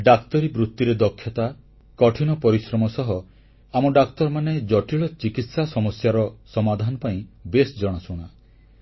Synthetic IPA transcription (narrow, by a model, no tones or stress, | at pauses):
ɖakt̪ɔɾibɾut̪ːjuɾed̪ɔkʰːjɔt̪a | kɔʈʰinɔpɔɾisɾɔmɔsɔɦɔ | amɔɖakt̪ɔɾmaned͡ʒɔʈiɭɔt͡ʃikit̪sasɔmɔsjaɾɔsɔmad̪ʱanɔpaĩbesd͡ʒɔɽ̃ɔsuɽ̃a